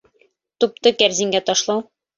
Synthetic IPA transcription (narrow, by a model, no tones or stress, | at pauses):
t̪up̚t̪ɤkæɾziŋɡæt̪ɒʃlˠɑw